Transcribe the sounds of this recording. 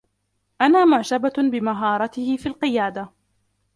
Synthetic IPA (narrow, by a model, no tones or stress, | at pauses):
ʔanaːmʊʕt̪ababɪmaɦɑːɾˤɑt̪ɪhɪfiːlqɨjaːd̪a